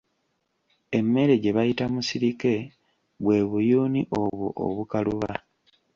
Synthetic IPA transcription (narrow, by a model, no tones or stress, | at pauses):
e̞mːe̞ɾe̞ɟe̞βajitamusiɾike̞ | βwe̞ːβujuːniʔo̞βoʔo̰βukaluβa